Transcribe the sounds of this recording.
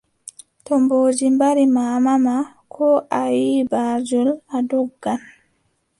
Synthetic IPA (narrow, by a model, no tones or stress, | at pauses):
tɔmboːd͡ʒimbaɾimaːmama | kʰɔʔajiːbaːd͡ʒuladɔɡːan